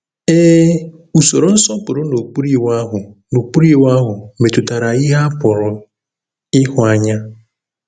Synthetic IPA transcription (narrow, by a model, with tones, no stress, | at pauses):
eː˦ | u˨so˨ɾo˨n̩˦sɔ˦pʊ˨ɾʊ˦no˨k͡pu˦ɾi˦wa˦ɦʊ˨nu˨k͡pu˦ɾi˦˨wa˦ɦʊ˨me˨tʊ˨ta˨ɾa˨i˦ɦa˦pʊ˨ɾʊ˨ | ɪ˦ɦʊ˨a˦ɲa˦